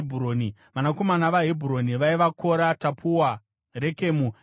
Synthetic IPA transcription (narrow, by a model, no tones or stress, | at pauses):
bʱuroːniʋanako̞manaʋaɦibʱuɾo̞niʋaiʋako̞ɾatapʰuwa | re̞ke̞mu